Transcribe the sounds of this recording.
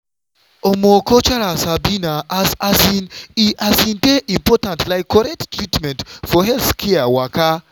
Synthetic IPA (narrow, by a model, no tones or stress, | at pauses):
ɔmɔkɔt͡ʃaɾasabinaʔazasĩniʔasĩndeʔĩmpɔtãntlajkːɔɾɛk̚ttːɹitmɛ̃ntfɔɦɛlθkʰɛawaka